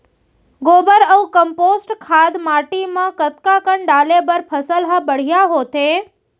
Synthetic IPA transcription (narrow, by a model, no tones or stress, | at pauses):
ɡoːbəɾəũkəmpoːsʈkʰad̪maːʈimə̃kət̪kakəɳɖaːlebəɾpʰəsəlɦəbəɽ̤ijaɦoːt̪ẽ